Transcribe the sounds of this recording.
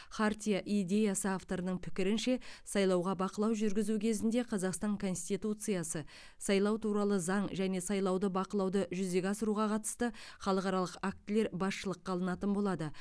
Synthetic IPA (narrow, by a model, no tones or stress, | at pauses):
χart̪ʲijaʔid̪ʲe̞jasəaft̪o̞ɾənəɴpʰɪ̥kʲɪɾɪnʃe̞sɑjlˠɑwʁɑbɑqəlˠɑwʒʏɾɡʲɪzukʲʰe̞zɪnd̪e̞qʰɑzɑqst̪ɑŋkʰo̞nst̪ijt̪ut̪sɨjɑsə | sɑjlˠɑwt̪ʰuɾɑlˠəzɑɴʒæne̞sɑjlˠɑwd̪əbɑqəlˠɑwd̪əʒʏze̞kʲɑsəɾuʁɑqʰɑt̪ə̥st̪əχɑlˠəqɑɾɑlˠəqak̚t̪ːɪle̞ɾbɑsʃəlˠəqːɑlˠənɑt̪ənbo̞lˠɑd̪ə